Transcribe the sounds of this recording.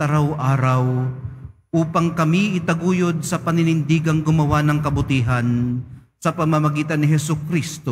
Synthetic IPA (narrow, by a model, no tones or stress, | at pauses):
t̪ɐɾɐwʔaːɾɐw | ʔuːpɐŋkɐmiʔɪt̪ɐɡuːjod̪̚sɐpɐnɪnɪnd̪iːɡɐŋɡʊmɐwanɐŋkɐbʊt̪iːɦɐn | sɐpɐmɐmɐɡiːt̪ɐnːɪɦɛsʊkɾist̪o